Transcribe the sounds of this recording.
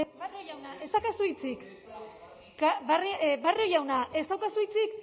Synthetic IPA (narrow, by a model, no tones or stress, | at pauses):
barojawnaʔe̞st̪akasujt͡sik | kabaribarojawnaʔe̞st̪awkasuijt͡sik